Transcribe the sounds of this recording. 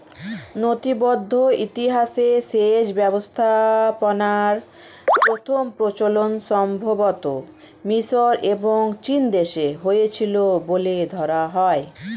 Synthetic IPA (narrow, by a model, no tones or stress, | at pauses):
not̪ibod̪ʱːoit̪iɦaʃesed͡ʑbɛbost̪ʰaponaɾ | pɾot̪ʰompɾot͡ɕolonʃɔmbʱobot̪o | miʃoɾʔeboŋt͡ɕind̪eʃeɦojet͡ɕʰiloboled̪ʱɔɾaɦɔe